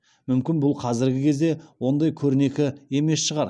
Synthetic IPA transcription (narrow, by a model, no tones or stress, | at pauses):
mʏmkʲɪnbʊlˠqʰɑzɪɾɡʲɪkʲʰezd̪e̞wo̞nd̪ɑjkʲʰɵɾɪne̞kʲɪe̞me̞sʃəʁɑɾ